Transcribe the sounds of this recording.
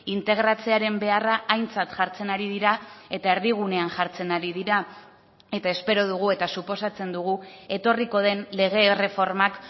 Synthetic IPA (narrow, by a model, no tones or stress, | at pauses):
int̪e̞ɣ̞ɾat͡se̞aɾe̞mbe̞araːjnt͡sat̪ʝaɾt͡se̞naɾiðiɾae̞t̪ae̞ɾðiɣ̞une̞anʝaɾt͡se̞naɾiðiɾa | e̞t̪ae̞spe̞ɾo̞ð̞uɣ̞ue̞t̪asupo̞sat͡se̞nd̪uɣue̞t̪o̞riko̞ð̞e̞nle̞ɣ̞e̞re̞fo̞ɾmak